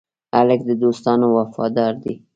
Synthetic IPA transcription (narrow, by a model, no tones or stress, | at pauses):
alɪk̚d̪əd̪ost̪ɑnowafɑ̰d̪ɑɾd̪i